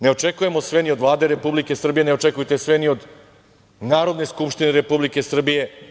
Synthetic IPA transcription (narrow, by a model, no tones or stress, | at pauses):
ne̞ot͡ʃekuje̞mo̞sʋeniod̪ʋlˠaːd̪e̞ɾe̞publike̞sr̩bije̞neot͡ʃekujt̪e̞sʋenio̞d̪ | naːɾo̞d̪ne̞skupʃt̪ineɾe̞publike̞sr̩bije̞